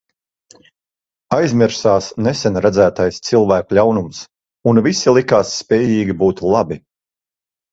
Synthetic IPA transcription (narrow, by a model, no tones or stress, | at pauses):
ajzmʲiɾsaːsnɛsɛnɾad̪zæːt̪ajst̪silˠvæːkulʲawnums | unvisilˠikaːsːpʲɛːjiːɡʲibuːt̪lˠabi